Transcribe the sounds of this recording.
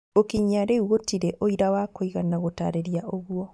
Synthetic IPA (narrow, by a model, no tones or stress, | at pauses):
okiɲaɾewotiɾɛʔoiɾawakoiɣanaɣotaːɾeɾiaʔoɣwɔ